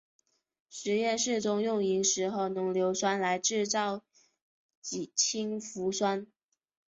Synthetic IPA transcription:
ʂɻ̩˧˥jɛ˥˧nʂɻ̩˥˩t͡sʊ˥ŋjʊ˥˩ŋi˧˥ŋʂɻ̩˧˥xo˥˩ʊnɤ˧˥ŋljo˧˥ʊswa˥nla˧˥ɪʈ͡ʂɻ̩˥˧t͡sɑ˥˩ʊ | t͡ɕi˨˩t͡ɕʰi˥ŋfu˧˥swa˥n

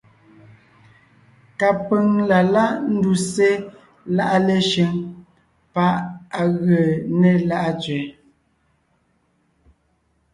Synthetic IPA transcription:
ka˨pə˨ŋla˨la˦ʔn̩˦du˨se˦ | la˦˨ʔa˦le˨ʃe˨˦ŋ | pa˦ʔa˨ɣə˨ne˦la˦ʔa˦t͡sɥɛ˨

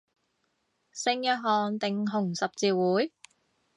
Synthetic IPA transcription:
sɪ˧ŋjœː˧ɦɔː˨nt̪ɪ˨ŋɦʊ˨˩ŋsɐ˨p̚t͡siː˧wuː˨˥j

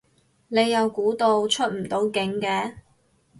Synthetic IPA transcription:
ne˨˧jːɐ˨˧wkuː˨˥t̪o˧wt͡ʃʰɵ˥t̚m̩˨˩t̪o˨˥wkɪ˨˥ŋkɛː˧

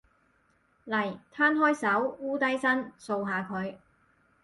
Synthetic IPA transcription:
lɐ˨˩jt̪ʰaː˥nɦɔː˥jsɐ˨˥wuː˥t̪ɐ˥jsɐ˥nso˧wɦaː˨kʰɵ˨˧ɥ

